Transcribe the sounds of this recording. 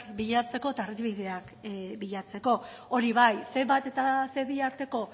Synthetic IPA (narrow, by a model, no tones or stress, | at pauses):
kbiʎat͡se̞ko̞et̪arizβiðe̞ak | biʎat͡se̞ko̞ | oɾiβ̞ajse̞mbat̪e̞t̪ase̞βiaɾt̪e̞ko̞